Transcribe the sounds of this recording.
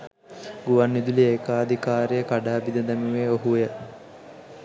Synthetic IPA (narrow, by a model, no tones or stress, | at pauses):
ɡuʋanːid̪ulieːkaːd̪ʱikaːɾijəkaɖaːbid̪əd̪æmiʋeːoɦujə